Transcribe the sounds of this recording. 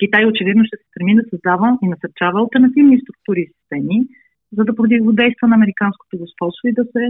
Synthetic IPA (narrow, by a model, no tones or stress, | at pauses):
kʲit̪ajot͡ʃɛvid̪noʃt̪ɛsɛ̥st̪ɾɛmid̪ɐsɐzd̪avəinɐsɐɾt͡ʃavəːɐlˠt̪ɛɾnɐt̪ivnist̪ɾuk̚t̪uɾiːsi̥st̪ɛmi | zɐd̪ɐpɾod̪ivod̪ɛjst̪vənɐːmɛɾikansko̥t̪oɡospɔst̪void̪ɐsɛ